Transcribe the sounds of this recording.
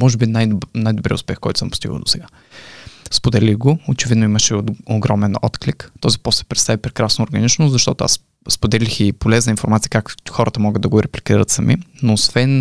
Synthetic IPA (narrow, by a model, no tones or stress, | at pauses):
mɔʒɛbinaj̪najd̪obɾḭʊ̰spɛxkɔ̰jt̪ʊ̥səmpʊ̥st̪iɡə̰d̪o̥sɛɡa | spod̪ɛlixɡoot͡ʃɛvid̪noiməʃɛoɡɾɔmɛnɔ̰t̪klikt̪ɔzipɔslɛ̥pɾɛt̪t̪avipɾɛkɾasnoːɾɡɐnit͡ʃnʊszɐʃt̪ɔt̪ʊa̰s | spod̪ɛlixipolɛznəinfoɾmat̪sijəkakxɔɾʔət̪əmɔɡəd̪ɐɡʊɾɛplʲikiɾət̪səmḭnoːsvɛn